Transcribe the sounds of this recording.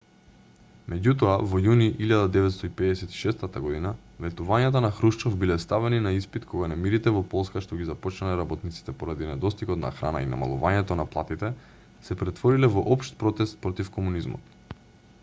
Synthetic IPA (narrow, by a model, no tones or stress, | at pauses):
mɛɟut̪ɔavɔjuniʔiʎad̪ad̪ɛvɛt̪st̪ɔipɛd̪ɛsɛt̪i̥ʃɛst̪at̪aɡɔd̪ina | vɛt̪uvaɲat̪anaxɾuʃt͡ʃɔfbilɛst̪avɛninaispit̪kʰɔɡanɛmiɾit̪ɛvɔpɔlˠskaʃt̪ɔɡizapɔt͡ʃnalɛɾabɔt̪nit̪si̥t̪ɛpɔɾad̪inɛd̪ɔst̪ikɔt̪na̰xɾa̰na̰ḭna̰ma̰lˠṵvaɲɛt̪ɔnaplˠat̪it̪ɛ | sɛpɾɛt̪vɔɾilɛvɔʔɔpʃt̪̚pɾɔt̪ɛst̪̚pɾɔt̪ifkɔmunizmɔ̰t̪